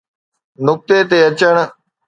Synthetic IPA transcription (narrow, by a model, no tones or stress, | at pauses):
nʊk̚t̪eːt̪eːət͡ʃəɳ